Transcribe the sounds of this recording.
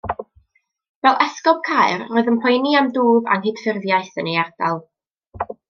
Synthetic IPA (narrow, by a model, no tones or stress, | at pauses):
vɛlˠʔɛskɔb̥̚kʰajɨroːɨðəmpʰɔjniamduːva̰nɦɪd̥fɪrðjaɨθənejard̥alˠ